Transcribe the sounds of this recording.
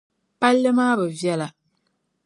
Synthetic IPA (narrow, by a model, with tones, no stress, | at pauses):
pa˦lːɨ˦maː˦bɨ˨vjɛ˦la˨